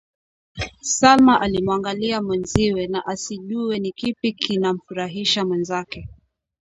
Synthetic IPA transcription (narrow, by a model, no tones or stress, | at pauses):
salmaʔalimwaŋɡaliamwɛnziwɛnaʔasiʄuɛnikipikʰinam̩fuɾaɦiʃamwɛnzakɛ